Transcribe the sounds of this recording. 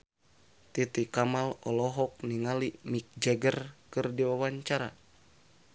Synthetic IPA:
t̪it̪ikamalɔlɔɦɔk̚niŋalimik̚d͡ʒɛɡərkɨrdiwawaɲt͡ʃaɾa̰

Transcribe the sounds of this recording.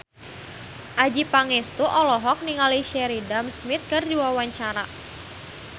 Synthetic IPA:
ʔad͡ʒipaŋɛst̪uʔɔlɔɦɔk̚niŋaliʃɛɾidamsmɪt̪̚kɨrdiwawaɲt͡ʃaɾa

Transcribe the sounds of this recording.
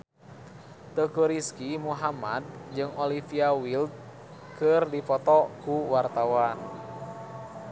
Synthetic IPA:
t̪əkuɾiskimuɦamad̪̚d͡ʒɨŋɔlifiawild̪̚ | kɨrdifɔt̪ɔkuwart̪awan

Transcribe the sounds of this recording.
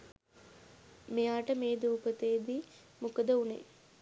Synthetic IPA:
mejaːʈəmeːd̪uːpət̪eːd̪i | mukɐd̪ɐunḛ

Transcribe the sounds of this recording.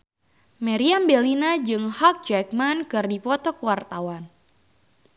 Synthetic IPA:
maɾiambelinad͡ʒɨŋhak̚d͡ʒɛk̚mankɨrdipɔt̪ɔkəwart̪awan

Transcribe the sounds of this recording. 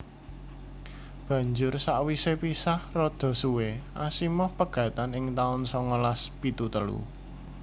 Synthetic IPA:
b̥ä̤ɲd͡ʒʊrsaʔwisepisahrɔd̪̥ɔ̤suweʔasimɔhpəɡ̥a̤t̪anɪŋt̪aʊnsɔŋəlaspit̪ut̪əlṵ

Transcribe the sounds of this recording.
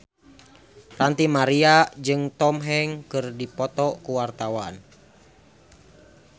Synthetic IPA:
rant̪imaɾiad͡ʒɨŋt̪ɔmɦɛŋkɨrdipɔt̪ɔkuwart̪awan

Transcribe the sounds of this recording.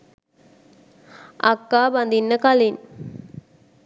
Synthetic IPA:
ʔakːaːband̪inːəkalin

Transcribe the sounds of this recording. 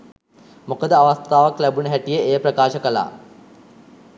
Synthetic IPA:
mokəd̪əaʋast̪aːʋaklæbunəɦæʈijəejprəkaːʃəkəla̰ː

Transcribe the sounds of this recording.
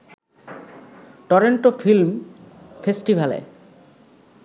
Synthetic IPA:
ʈɔɾeɳʈofilmfesʈibʱalḛ

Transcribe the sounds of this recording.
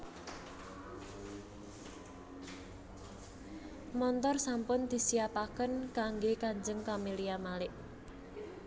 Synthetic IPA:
mɔnt̪ɔrsampʊnd̪̥i̤siapakənkaŋɡekaɲd͡ʒəŋkameliamalɪʔ

